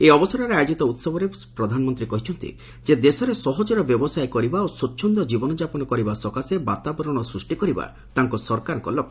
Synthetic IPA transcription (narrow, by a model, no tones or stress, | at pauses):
eɔbɔsɔɾɔɾeajɔd͡ʒit̪ɔut̪sɔbʱɔɾepɾɔd̪ʱanɔmɔnt̪ɾikɔɦit͡ʃʰɔnt̪ḭ | d͡ʒed̪esɔɾesɔɦɔd͡ʒɔɾɔbjɔbɔsajkɔɾibaosotːʃʰɔnd̪ɔd͡ʒibɔnɔd͡ʒapɔnɔkɔɾibasɔkaseba̰t̪abɔɾɔɽ̃ɔsɾusʈikɔɾiba̰ | t̪aŋkɔsɔɾkaɾkɔlɔ